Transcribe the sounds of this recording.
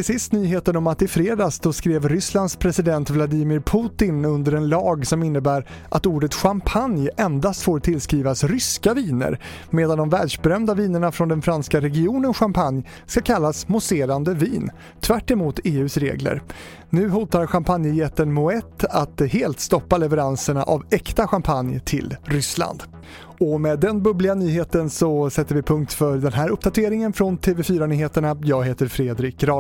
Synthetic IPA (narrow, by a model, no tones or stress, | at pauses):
t̪ʰɪlsɪst̪nyːɦeːt̪ənɔmat̪ɪfɾeːd̪ɑsd̪ɔskɾeːvɾʏsland̪spʰɾɛsɪd̪ɛnt̪vlad̪iːmɪɾpʰuːt̪ɪnɵnd̪əɾɛnlɑːɡsɔmɪnːəbæːɾ | ʔat̪uːɖət̪ɧampʰanjɛnd̪ast̪foːɾt̪ʰɪlskɾiːvasɾʏskaviːnə̰ɾ | meːd̪and̪ɔmvɛːɖʂbɛɾœmd̪aviːnəɳafɾɔnd̪ɛnfɾanskaɾɛɡɪuːnənɧampʰanj | skakʰalːasmʊseːɾand̪əviːn | t̪ʰvæʈːɛmuːt̪eːʉ̟ːsɾḛːɡlə̰ɾ | nʉ̟ːɦuːt̪aɾɧampʰanjəjɛt̪ːənmʊɛt̪ʰːat̪heːlt̪st̪ɔpːalɛvɛɾansəɳa̰ʔavɛkt̪aɧampʰanjt̪ʰɪ̰lɾʏsla̰nd̪ | ɔmɛːd̪ɛnbɵblɪɡanyːheːt̪ənsɔsɛt̪ːəɾvɪpʰɵŋk̚t̪fœd̪ɛnɦæːɾɵp̚ːd̪at̪ʰeːɾɪŋənfɾɔnt̪ʰeːvɛfyːɾanyːheːt̪əɳajɑːɡɦeːt̪əɾfɾeːd̪ɾɪkɾɑ